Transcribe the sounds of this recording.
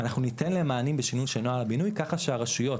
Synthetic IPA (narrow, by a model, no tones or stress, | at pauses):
anaχnunitenleemaːnimbeʃinujʃenoalabinujkaχaʃeaʁaʃujo̞t